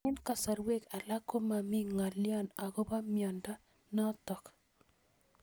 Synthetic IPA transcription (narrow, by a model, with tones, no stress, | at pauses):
ɪ˦nka˨sa˨ɾwe˦ka˨la˦kːo˦ma˨mi˦ŋa˨ljɔ˦˨na˨ɡɔ˦ba˦mjɔ˨nda˦ | nɔ˦tɔ˨k